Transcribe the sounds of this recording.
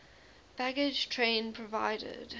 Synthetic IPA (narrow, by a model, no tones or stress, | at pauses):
b̥æɡɪd͡ʒ̥tʰɹ̥ẽɪ̃npʰɹ̥əvaɪɾɪ̰d̥